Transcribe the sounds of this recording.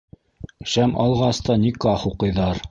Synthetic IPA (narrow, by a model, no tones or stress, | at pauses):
ʃæmʔɑ̰lˠʁɑst̪ɑnʲikɑχuqɤ̆jðɑɾ